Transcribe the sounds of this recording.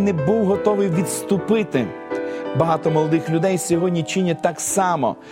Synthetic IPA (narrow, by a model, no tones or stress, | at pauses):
nɛbuwɦɔt̪ɔʋɪjʋʲid̪st̪ʊpɪt̪ɪ | bɐɦɑt̪ɔmɔlˠɔd̪ɪxlʲʊd̪ɛjsʲɔɦɔdʲnʲit͡ʃɪnʲɛt̪ɑksɑmɔ̰